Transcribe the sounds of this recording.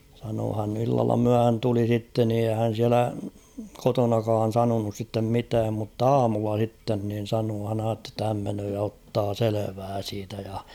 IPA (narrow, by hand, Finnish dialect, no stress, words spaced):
sɑnoː hæn ilːɑlːɑ myæhæn tuli sitːen ni eihæ hæn̞ siælæ kotonɑkɑːn̞ sɑnonus sitːem mitæːm mutː ɑːmulːɑ sitːen nin̞ sɑnoː hæn ɑːtːe tːɑ hæm menøː jɑ otːɑː seleʋæː siːtæ jɑ